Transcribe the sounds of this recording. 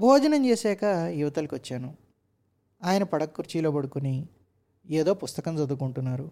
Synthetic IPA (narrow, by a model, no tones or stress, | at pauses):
bʱɔːd͡ʒɐnɐmt͡ʃeːsɛːkɐjuʋɐt̪ɐlkiʋɐt͡ʃːaːnu | aːjɐnɐpɐɽɐkːuɾt͡ʃiːlo̞ːpɐɽukuni | eːd̪o̞ːpust̪ɐkɐmt͡sɐd̪ukuɳʈunːaːɾu